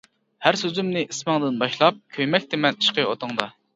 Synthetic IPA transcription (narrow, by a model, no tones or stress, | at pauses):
hæɾsøzymnɪʔismɑŋd̪ɪnbɑʃlˠɑp̚kʲʰøjmɛk̚ʲt̪ʰɪmɛni̥ʃqəot̪ʰəŋd̪ɑ